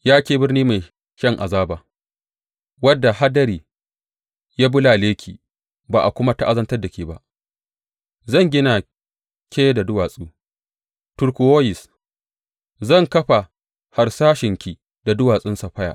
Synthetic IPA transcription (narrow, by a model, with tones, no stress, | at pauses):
jaː˦kʲeː˨bɪ˦rniː˦ma˨j | ʃɐ˦ŋʔa˨zaː˦baː˨ | wɐ˦dːa˨ɦa˦dɐ˦ɾiː˨ | jaː˦bʊ˦laː˨leː˦kʲʰiː˨ | baː˨ʔa˨kʷʊ˦ma˦ta˦ʔa˦zɐ˦ntɐ˦rda˨kʲiː˨ba˨ʔ | zɐ˦˨ŋɡʲɪ˦na˨ | kʲʰeː˦jda˨dʊ˦waː˨sʼuː˦ | tʊ˨ɾkʷu˨woː˦jɪ˨s | zɐ˦˨ŋkɐ˦ɸa˨ | ha˨ɾsaː˦ʃɪ˨ŋkʲiː˨ | da˨dʊ˦waː˨sʼɪ˦nsa˨ɸɐ˦ja̰ː˨ʔ